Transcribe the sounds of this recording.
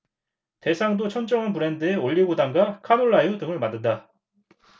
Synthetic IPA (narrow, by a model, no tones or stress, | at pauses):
te̞sʰaŋdot͡ɕʰʌnd͡ʑʌŋanpuɾe̞ndɯe̞oʎːiɡodaŋɡakʰanoɭːajudɯŋɯɭmandɯda